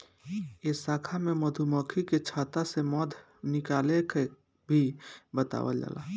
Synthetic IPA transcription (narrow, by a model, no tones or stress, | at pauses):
esaːkʰamẽməd̪ʱumɔːkʰiket͡ʃʰaːt̪asemɔːd̪ʱ | nɪkaːleke | bʱibət̪a̰ːʋə̰d͡ʒa̰ːla̰ː